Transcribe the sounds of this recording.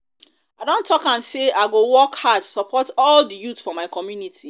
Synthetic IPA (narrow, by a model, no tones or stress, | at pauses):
aɪdõntʰːɔkãmseaɪɡowɔkhad̚tusɔpʰɔtɔldəjutfɔmaɪkʰɔmjunitʰi